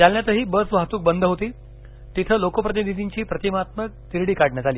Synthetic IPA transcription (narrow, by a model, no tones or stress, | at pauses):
d͡zalnjat̪əɦiːbəsʋat̪uːk̚bənd̪ʱəɦot̪iː | t̪it̪ʰəːlokopɾəd̪ed̪ʱid̪iɲt͡ɕiːpɾət̪imat̪mək̚t̪iɾɽiːkaɽɳjat̪aliː